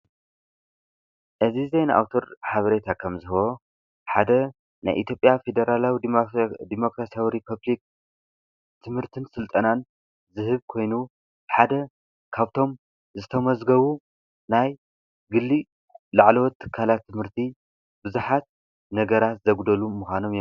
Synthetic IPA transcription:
ʔɨzizejnʔa̰wt̪ʰo̞ɾħaβɐɾet̪ʰakʰɐmzɨhβo̞ | ħad̪ɐ | na̰jʔit̪ʰjo̞pʼjafe̞d̪ɐɾalawid̪imo̞kɾasijawiɾipʰɐβlik̚ | t̪ʰɨmhɨɾt̪ʰɨnsɨlt̪ʼɐnan | zɨɦɨβkʰo̞jnu | ħad̪ɐ | kʰaβt̪ʰo̞m | zɨt̪ʰɐmɐzɡɐβu | naj | ɡɨlːi | laʕlɐwɔt̪ʰːɨ̥kʰːalat̪ʰːɨmhɨɾt̪ʰi | bɨzuħat̪̚ | nɐɡɐɾat̪zɐɡd̪ɐlumːuxʷano̞mj

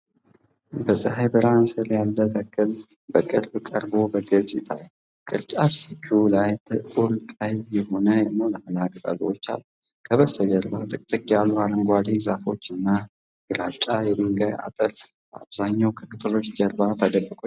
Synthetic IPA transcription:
bəsʼəɦajbəɾansɨɾjalːət̪ʰəkʼːɨl | bəkʼɨɾbkʼəɾbo̞bəɡəzʼɪt̪ʰa̰j | kʼɨ̰ɾt͡ʃʼat̪ɨt͡ʃːulajt̪ʰəuɾkʼajjɛho̞nəjɛmoləməlakʼt̪ʼə̰ɡwot͡ʃːa̰lː | kʰəβəsəd͡ʒəɾbat̪ʼɨkʼt̪ʼɨkʼijalːuhaɾəŋɡʷad̪izafo̞t͡ʃːɨnːa | ɡ̥ɨɾat͡ʃʼajɛd̪ɨŋɡaja̰t̪ʼəɾ | ba̰βzaɲːawkʰɨmɨt̪ʰɨlo̞t͡ʃːd͡ʒəɾbat̪ʰəd̪əbəkʼo

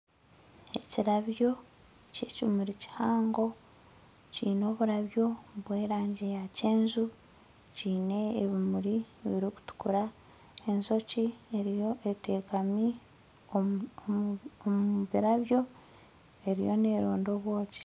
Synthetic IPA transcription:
e̞ciɾaβjo̞ | ce̞ːcimuɾici̥haːŋɡo̞ | ciːno̞ːβuɾaβjo̞βwe̞ːɾaːɲɟe̞jaceːnzu | ciːne̞ːβimuɾiβiɾiku̥tu̥kuɾa | e̞nso̞cieɾijoʔete̞ːkami | o | omuβiɾaβjo̞ | e̞ɾḭjo̞̰neːɾoːndo̞ːβwo̞ːci̥

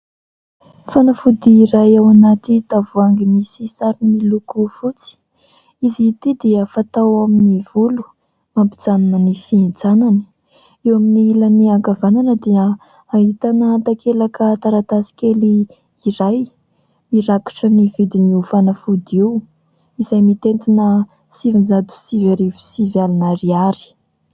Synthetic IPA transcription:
fanafud̪iːɾajawanat̪it̪avuaŋɡimisisaɾinilukufut͡si̥ | iziːt̪id̪iəfat̪awaminiv̥ulu̥ | mampid͡zaninənifiind͡zanani̥ | ewaminiilaniaɡavananəd̪iə | aɦit̪anət̪akʰelakət̪aɾat̪asi̥keli | iɾaj | iɾaki̥ʈ͡ʂənivid̪iniufanəfud̪iw | izajmit̪ent̪inə | sivind͡zad̪u̥sivaɾivu̥sivjalinaɾiaɾi̥

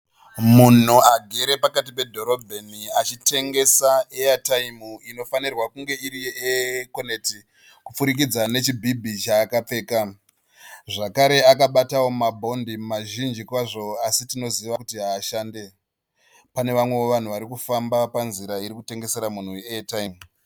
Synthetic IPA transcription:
mun̤uaɡʱe̞ɾe̞pakat̬ipe̞dʱo̞ɾo̞bʱeniat͡ʃite̞ŋɡe̞saeataimuino̞fanirwakuŋɡe̞iɾiekoneti | kup͡fuɾik̬id͡zane̞t͡ʃibʱibʱit͡ʃaːkap͡fe̞ːka | ʐakaɾe̞akaɓatawo̞mabʱo̞ndimmaʒind͡ʒikwaʐo̞asitino̞ziʋakutiɦaːʃaːnde̞ | pane̞ʋamwe̞oʋan̤uʋaɾikufambapanziɾaiɾikute̞ŋɡe̞se̞ɾamun̤ueataimu

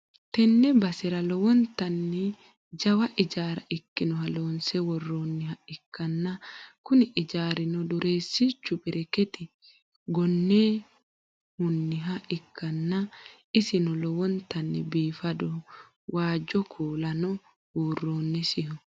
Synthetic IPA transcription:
t̪ɛnːɛbɐsɪɾɐlɔwɔnt̪ɐnːɪ | d͡ʒɐwɐʔɪd͡ʒaːɾɐʔɪkːɪnɔɦɐloːnsɛwɔrːoːnːɪhɐɪkːɐnːɐkʊnɪʔɪd͡ʒaːɾɪnɔd̪ʊɾʔe̞ːsːit͡ʃːʊbɪɾʔɛkɛt̪ɪ | ɡɔnːeː | hʊnːɪɦɐʔɪkʰːɐnːɐ | ɪsɪnɔlɔwɔnt̪ɐnːɪ̰biːfɐd̪ɔ | waːd͡ʒːɔkʰuːlɐnɔ | huːrːoːnːɛsɪhɔ

